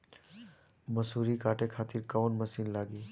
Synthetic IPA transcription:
məsuːɾikaːʈekʰaːt̪ɪɾkəʋnməsiːnlaːɡiː

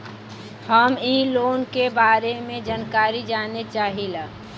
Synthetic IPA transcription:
həmiːloːnkebaːɾemẽd͡ʒankaːɾid͡ʒaːnet͡ʃaːɦila

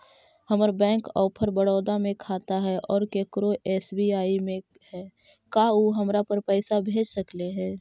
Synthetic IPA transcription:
həməɾbɛ̃ːŋkɔːpʰəɾbəɽɔːd̪amẽkʰaːt̪aɦɛʔɔːɾkekɾoʔeːsbiːaːimẽ | hɛː | kaoɦəmɾapəɾpɛːsabʱeːd͡ʒsəkleɦɛ̃ː

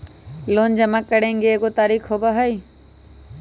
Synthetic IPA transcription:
loːnd͡ʒəmakːəɽẽːŋɡeeːkot̪aːɾiːxɦoːbaɦai

